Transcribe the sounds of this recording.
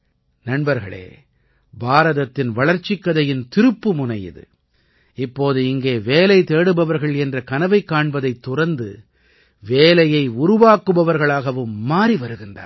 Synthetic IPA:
nɐnbɐɾɣɐ̰ɭḛː | baːɾɐðɐt̪ːɪnʋɐɭɐɾt͡ʃːɪkːɐðɐjɪnt̪ɪɾɯpːɯmʊnɐjɪ̰ðɯ̰ | ɪpːoːðɯɪŋɡeːʋeːlɐɪt̪eːɽɯbɐʋɐɾɣɐɭɛndrɐkɐnɐʋɐɪkːaːɳbɐðɐɪt̪ːʊrɐnd̪ɯ̰ | ʋeːlɐjɐɪʊɾʊʋaːkːɯʋɐʋɐɾɣɐɭaːɣɐʋɯmːaːɾiʋɐɾɯɣɪndra̰ːɾ

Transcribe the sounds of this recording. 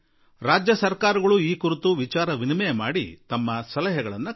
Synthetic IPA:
ɾaːd͡ʒjɐsɐɾkaːɾɐɡɐɭuiːkuɾit̪uʋit͡ʃaːɾɐʋinimɛjɐmaːɽḭt̪ɐmːɐsɐlɐɦɛɡɐɭɐnːu

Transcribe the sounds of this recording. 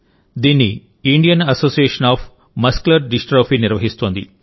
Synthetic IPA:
d̪iːnːiː | ɳɖijɐnɐsoːsieːʂɐnaːf | mɐsklɐɾɖisʈɾoːfiniɾʋɐɦist̪oːnd̪i

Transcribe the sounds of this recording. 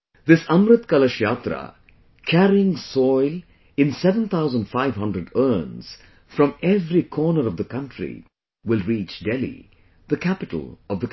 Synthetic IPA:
d̪ɪsʌ̃mɾɨt̪kʌləʃjaːt̪ɾə̰ | kʰæɾiɪ̃ŋsɔɪl | ɪ̃nsɛvə̃nt̪ʰaʊzə̃nɖfaɪvɦʌ̃ndɾəɖɜːnz̥ | fɾʌ̃mɛvɾikʰɔːnəɾʌvd̪əkʌ̃nʈɾḭ | wɪlˠɾiːt͡ʃɖɛlḭ | ðəkʰæpɪʈə̰l̩ˠʌvd̪ək

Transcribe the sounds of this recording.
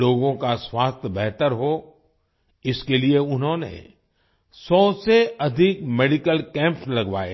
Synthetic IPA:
oːɡõkaswaːst̪ʰjəbɛɦt̪əɾɦo | ɪskelieʊnɦõnḛ̃ | sɔːseɐd̪ʱɪk̚meːɖikəlkɛ̃ːmpslɐɡʋa̰ːḛ

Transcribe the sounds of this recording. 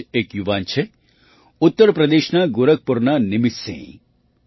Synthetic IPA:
eːkjuʋaːnt͡ʃʰe | ʊt̪ːəɾpɾɐd̪eːʃnaɡʊɾək̚pʊɾnanɪmɪsḛ̃ː

